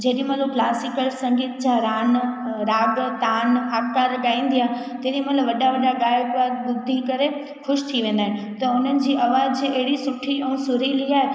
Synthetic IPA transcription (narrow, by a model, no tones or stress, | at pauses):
d͡ʑɐɦɗimɐ̃loklaːsɪkəlsɐ̃ŋɡiːt̪d͡ʑãɾaːnɾaːɡt̪aːnaːkkaːɾɠaːĩːnd̪ijãː | t̪ɐɦɗimɐ̃lɐʋɐɗaʋɐɗaɠaːjəɡʋaːd̪ɓʊd̪ʱːikɐɾe | xʊʃt̪ʰiʋẽːn̆d̪aːɦɪ̃n | t̪ɐʊn̤ənɪ̆d͡ʑiːɐʋaːd͡ʑɐɦɪɽisʊʈʰiɛ̃sʊɾiliaːɦe